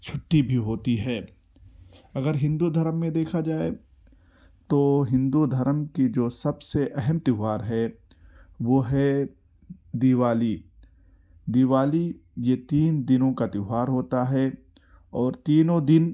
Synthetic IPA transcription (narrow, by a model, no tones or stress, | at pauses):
t͡ʃʰʊʈːibʱiɦoːt̪iɦɛː | ɐɡəɾɦɪ̃nd̪ud̪ʱɐɾəmːẽd̪eːkʰad͡ʒaːe | t̪oːɦɪ̃nd̪ud̪ʱɐɾəmkid͡ʒoːsɐbseʔɛɦɛmt̪ɪʋaːɾɦɛ | ʋoːɦɛ | d̪iʋaːli | d̪iʋaːlijet̪iːnd̪ɪnõkat̪ɪɦaːɾɦoːt̪aɦɛ | ɔːɾt̪iːnõd̪ɪn